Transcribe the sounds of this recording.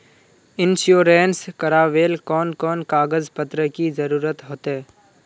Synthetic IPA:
ɪnʃjoːɾẽːnskəɾaːʋeːlkɔːnkɔːnkaːɡəzpət̪ɾəkizɐɾuːɾət̪ɦoːt̪eː

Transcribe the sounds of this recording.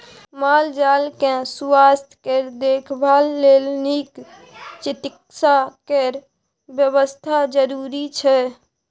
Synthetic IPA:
mald͡ʒalkẽsuwast̪ʰkeɾd̪ekʰbʱalːelnik | t͡ʃit̪ik̚sakeɾ | bjəβəst̪ʰad͡ʒəɾuɾit͡ʃʰɛ

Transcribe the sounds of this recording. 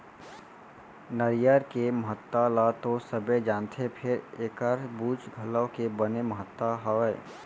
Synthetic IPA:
nəɾjəɾkeməɦət̪ːalat̪osəbed͡ʒaːnt̪ʰepʰɪɾeːkəɾbuːd͡ʒɡʱələkebəneməɦət̪ːaɦɔɛː

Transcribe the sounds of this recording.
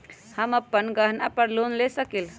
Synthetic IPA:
həməpːənɡəɦnapəɾlonlesəkil

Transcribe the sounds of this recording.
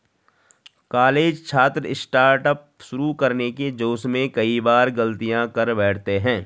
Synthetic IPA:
kaːleːd͡ʒt͡ʃʰaːt̪ɾəɪsʈaːɾʈəp̚ | ʃʊɾukɐɾneked͡ʒoːsmẽkɐibaːɾɡɐlt̪ijãkɐɾbɛːʈʰt̪eɦɛ̃ː

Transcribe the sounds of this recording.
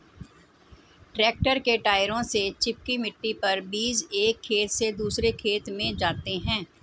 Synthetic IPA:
ʈɾɛːk̚ʈəɾkeʈaːɪɾõset͡ʃɪp̚kimɪʈːipɐɾbiːseːkʰːeːt̪sed̪uːsɾekʰeːt̪mẽd͡ʒaːt̪eɦɛ̃ː

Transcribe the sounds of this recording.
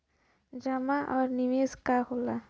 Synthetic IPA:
d͡ʒɐmaʔɔːɾnɪʋeːskahola

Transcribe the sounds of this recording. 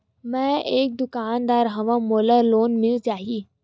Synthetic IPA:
mɛ̃eːk̚d̪ʊkaːnd̪aːɾɦɐʋãmoːləɾloːnmɪlt͡ʃaːɦiiː

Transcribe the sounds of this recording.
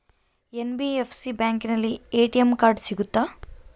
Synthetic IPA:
enbiepʰsibjaːŋkinɐlːieːʈiemkaːɾɖsiɡut̪ːa

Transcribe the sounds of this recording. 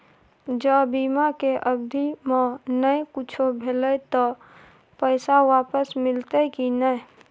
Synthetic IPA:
d͡ʒəbiːmakeʔəb̚d̪ʱimẽnəjkut͡ʃʰobʱelət̪ɔ | pəɪsawaːpəsmɪlt̪əkinə

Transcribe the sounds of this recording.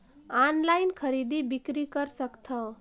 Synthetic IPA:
anlajnkʰəɾid̪ibikɾikəɾsəkt̪ʰə

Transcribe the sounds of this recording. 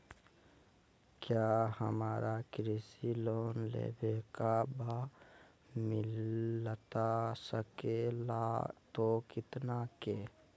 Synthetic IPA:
kjahəmaːɾakɾisiloːnlḛbekaba | mɪlt̪asəkelat̪okɪt̪nake

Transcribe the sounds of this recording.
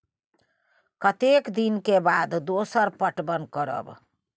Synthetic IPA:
kət̪ekd̪inkebaːd̪d̪oːsəɾpəʈbənkəɾə̰b

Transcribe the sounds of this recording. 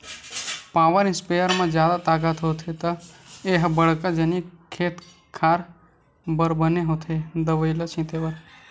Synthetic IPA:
paːʋəɾɪ̃nspejəɾmãd͡ʒjaːd̪at̪aːɡət̪ɦoːt̪ʰet̪əeɦbəɽkad͡ʒenikʰeːt̪ | kʰaːɾ | bəɾbəneɦot̪ʰed̪əʋəɪlət͡ʃʰĩt̪ebəɾ

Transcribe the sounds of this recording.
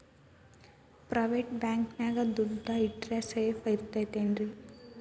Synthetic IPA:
pɾɐʋeːʈbaːŋknaːɡɐd̪uɖʱːɐiʈɾeseːfɐiɾt̪ːɐjt̪eːnɾi

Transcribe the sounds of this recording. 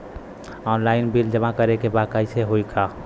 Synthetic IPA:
ɔːnlaɪnbild͡ʒəmãkəɾekebakəɪseɦoikʰa

